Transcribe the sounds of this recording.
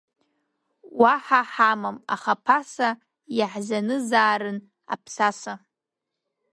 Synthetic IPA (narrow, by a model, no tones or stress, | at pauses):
waħaħamama̰χapʰasa | jaħzanɨzaːɾɨn | a̰pʰsasa